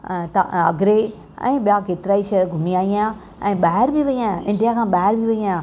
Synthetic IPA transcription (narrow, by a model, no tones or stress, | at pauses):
t̪aɐ̰ɡɾe | ɛ̰̃ːɓijakeːt̪ɪɾaːiʃɐəɾɡʱʊmiaːijãː | ɛ̃ːɓaːɦɪɾbiʋɐijãɪ̃ɳɖijakʰãːɓaːɦɪɾbiʋɐijãː